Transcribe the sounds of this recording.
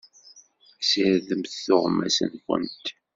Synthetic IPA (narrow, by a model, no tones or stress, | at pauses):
səɾðəmθθoʁmæ̰sə̰nkʷə̰nt̪